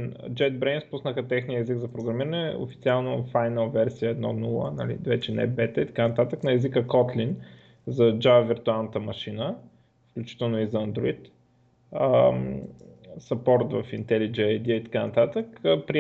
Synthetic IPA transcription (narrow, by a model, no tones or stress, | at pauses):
nd͡ʒɛd̪bɾɛnspusnəxət̪ɛxnijəɛziɡzɐpɾoɡɾɐmiɾənɛo̰fit̪sialˠnofajnəlˠvɛɾsiəɛd̪nɔ̰nulˠə̰nɐ̰lḭvɛt͡ʃɛnɛ̰bɛt̪əit̪ɐ̥kanɐt̪at̪əknɐɛzikəkɔt̪lin | zɐd͡ʒavəviɾt̪ualˠnət̪əmɐʃinə | fklʲut͡ʃi̥t̪ɛlˠnoizɐːnd̪ɾoit̪ | ə | sɐpɔɾt̪vɐfint̪ɛlid͡ʒɛɐjd̪iəit̪ɐ̥kanɐt̪at̪əkːpɾi